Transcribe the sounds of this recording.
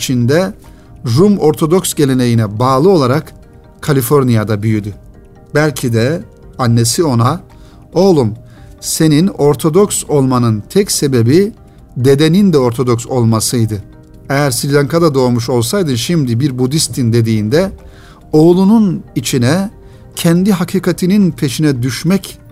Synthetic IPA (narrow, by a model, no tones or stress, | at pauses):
t͡ʃʰind̪ɛ | ɾumo̞ɾt̪ʰo̞d̪o̞ksɟe̞lʲe̞ne̞jinɛbaːlˠɯo̞lˠaɾak | kʰːalʲifo̞ɾnijad̪abyjyd̪y | bælʲcʰid̪ɛ | anːe̞sio̞na | o̞lˠum | se̞nino̞ɾt̪ʰo̞d̪o̞kso̞lˠmanɯnt̪ʰɛcse̞be̞bi | d̪e̞d̪e̞nind̪ɛo̞ɾt̪ʰo̞d̪o̞kso̞lˠmasɯjd̪ɯ | ejæɾsilʲaŋkʰad̪ad̪o̞ːmuʃo̞lˠsajd̪ɯʃimd̪ibiɾbud̪ist̪ʰind̪e̞d̪iːnd̪ɛ | o̞lˠununit͡ʃʰinɛ | cʰɛnd̪iɦakʰiːkʰat̪ʰininpʰe̞ʃinɛd̪yʃmɛc